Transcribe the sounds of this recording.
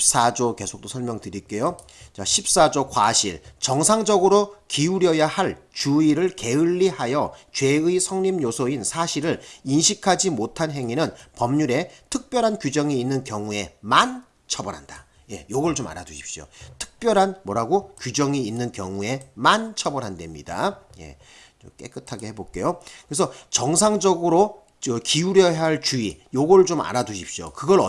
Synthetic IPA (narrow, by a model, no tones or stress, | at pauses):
p̚s͈ad͡ʑoke̞sʰo̥k̚t͈osʰʌɭmjʌŋtɯɾik͈e̞jo | t͡ɕaɕʰip̚s͈ad͡ʑokwaɕʰiɭt͡ɕʌŋsʰaŋd͡ʑʌɡɯɾokiuɾjʌjahaɭt͡ɕuiɾɯɭke̞ɯɭːihajʌt͡ɕwe̞ɯisʰʌŋɲimjosʰʌinsʰaɕʰiɾɯɭinɕʰikʰad͡ʑimotʰanɦe̞ŋinɯnpʌmɲuɾe̞tʰɯk̚p͈jʌɾɦankjud͡ʑʌŋiːnːɯnkjʌŋue̞man | t͡ɕʰʌbʌɾɦanda | je̞̰joɡʌɭt͡ɕoma̰ɾaduɕʰi̥p̚ɕ͈io̰tʰɯ̥k̚p͈jʌɾɦanmwʌɾɦaɡokud͡ʑʌŋiːnːɯnkjʌŋue̞mant͡ɕʰʌbʌɾɦande̞mɲida̰je̞̰ | t͡ɕok͈e̞k͈ɯtʰaɡehe̞bok͈e̞jokɯɾesʰʌt͡ɕʌŋsʰaŋd͡ʑʌɡɯɾo | ʌkiuɾjʌɦaɭt͡ɕuijoɡʌɭt͡ɕoma̰ɾaduɕ̬ʰip̚ɕ͈io̰kɯɡʌɾʌ